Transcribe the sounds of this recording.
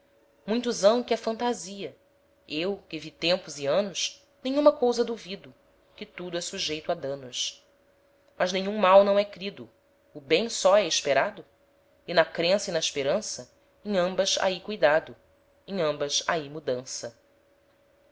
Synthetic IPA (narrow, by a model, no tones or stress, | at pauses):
mũj̃t̪ʊzɐ̃w̃kɪɛfɐ̃nt̪aziɐ | ewkɪvit̪ẽmpʊzɪɐ̃nʊs | nẽjɲ̃ũmɐkowzɐd̪uvid̪ʊ | kɪt̪ud̪ʊɛsuʒejt̪ad̪ɐ̃nʊs | mɐznẽɲ̃ũmawnɐ̃w̃ɛkɾid̪ʊː | bẽj̃sɔɛɪʃpeɾad̪ʊ | ɪnɐkɾẽsɪinɐɪʃpeɾɐ̃sɐ | ẽj̃ɐ̃mbɐza̰ikujd̪ad̪ʊ | ẽj̃ɐ̃mbɐsa̰imud̪ɐ̃sɐ